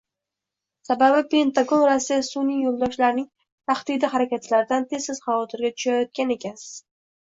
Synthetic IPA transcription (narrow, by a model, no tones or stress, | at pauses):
sababɪpe̞nt̪ʰaɡonɾasɪsunɪjolˠd̪ɒʃlaɾnɪŋ | t̪ʰaχt̪id̪ɪɦaɾakʲat̪ʰlaɾd̪ant̪ʰe̞zsɪz̥χɑvɒt̪ʰɪɾɡʲat̪ʰʊ̥ʃajɒt̪̚kʲane̞kʲʰas